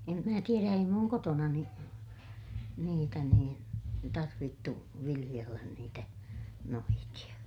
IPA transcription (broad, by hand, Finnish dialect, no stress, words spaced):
em mæː tieræ ei muŋ kotonɑni niːtæ niːn tɑrʋitːu ʋilij̆elːæn niːtæ noitij̆ɑ